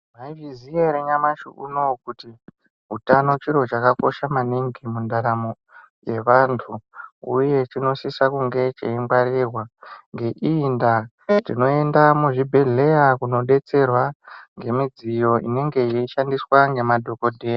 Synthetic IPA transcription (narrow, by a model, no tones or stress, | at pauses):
maivizieɾeɲamaʃṵṵno̞kuti | ɦutano̞t͡ʃiɾo̞t͡ʃakako̞ʃamaniŋɡimundaɾamo | je̞ʋantʰuuje̞t͡ʃino̞sisakuŋɡe̞t͡ʃḛiŋɡwaɾerwaŋɡe̞ʔinda | tino̞e̞ndamuʐibʱe̞ɮe̞jakuno̞ɗe̞t͡se̞rwaŋɡe̞mid͡zijo̞ʔḭne̞ŋɡe̞jeiʃandiswaŋɡe̞madʱo̞ko̞dʱe̞ːja